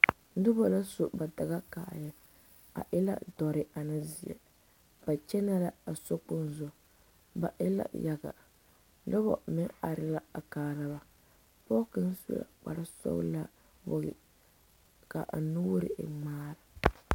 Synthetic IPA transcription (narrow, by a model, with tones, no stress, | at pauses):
dʊ˦bɔ˨la˦so˨ba˨da˨ɣa˦ka˨jɛ˨ | a̰˨ʔɪ˦la̰˦dɔ˨ɾɪ˨a˨na˦zi˨ɛ̰˨ | b̥a˨t͡ʃɛ˦na˦la˦a˨so˦k͡pʊ˦n˦zʊ˨ | ba˨ʔɪ̰˦la̰˦ja˦ɡa̰˨ | da˦bɔ̰˨mɪ˦ŋa˨ɾɪ˨la˦a˨kaː˨la˦ba˨ | pɔ˦kɨ˦n˦su˦la̰˨k͡pa̰˨ɾa˦sɔ̰˦la˦ | bo˨ɣɪ̰˨ | ka̰˨ʔa˨nu˦wɾɪ̰˨ŋ͡maː˦ɾa˨